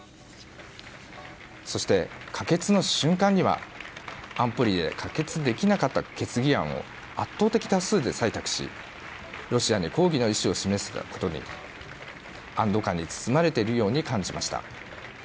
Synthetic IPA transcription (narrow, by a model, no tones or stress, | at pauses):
so̞ɕi̥t̪e̞kʰake̞t͡sɨno̞ɕɨ̃ŋkãɲ̟ːiβa̰ | ãmpɯ̟ɾʲid̪e̞̰kʰake̞t͡sɨd̪e̞kʲinakat̪ːake̞t͡sɨɡʲiã̰ɰ̃o̞̰ | a̰t̪ːo̞ːt̪e̞kʲi̥t̪asɨːd̪e̞sait̪akɯ̟̥ɕḭ | ɾo̞ɕiaɲ̟iko̞ːɡʲino̞iɕio̞ɕime̞sɨ̥̰ko̞t̪o̞ɲ̟ḭ | ãnd̪o̞kãɲ̟ːit͡sɨ̥sɨmaɾe̞t̪e̞iɾɯ̟jo̞ːɲ̟ikãɲ̟d͡ʑimaɕi̥t̪a̰